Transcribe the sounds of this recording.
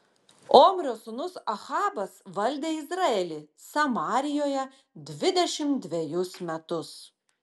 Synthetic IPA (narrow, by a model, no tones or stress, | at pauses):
oːmʲɾʲoːsʊnʊsɐxɑːbɐsʋɐlʲd̪ʲeːɪzɾɑːɛlʲɪsɐmɑːɾʲɪjoːjɛ | d̪ʲʋʲɪd̪ʲɛʃʲɪmt̪̚d̪ʲʋʲejʊsmʲɛt̪ʊs